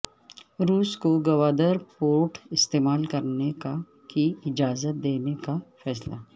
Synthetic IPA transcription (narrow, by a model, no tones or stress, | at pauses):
ɾuːskoɡɐʋaːd̪əɾpoːɾʈʰɪst̪eːmaːlkɐɾneka | kiɪd͡ʒaːzət̪̚d̪eːnekafɛːsla